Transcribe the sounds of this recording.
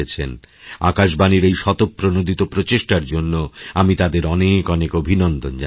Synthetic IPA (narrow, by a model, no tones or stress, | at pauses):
et͡ɕʰḛnakaʃbaniɾejʃɔt̪op̚pːɾonod̪ʱit̪opɾot͡ɕeʃʈaɾd͡ʑonːoamit̪ad̪eɾɔnekɔnekobʱinɔnd̪ond͡ʑa